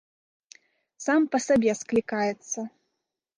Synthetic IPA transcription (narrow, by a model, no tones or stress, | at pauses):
sampɐsabʲɛsklʲikajɛt̪sːɐ